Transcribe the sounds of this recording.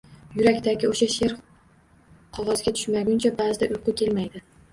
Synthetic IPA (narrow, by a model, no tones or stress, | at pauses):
jʊɾakʲt̪ʰaɡʲɪoʃaʃe̞ɾ | qʰɒʁɒzɡʲat̪ʰʊ̥ʃmaɡʲʊnt͡ʃʰabazɪd̪aʔʊjqʊkʲʰe̞lmajd̪ɪ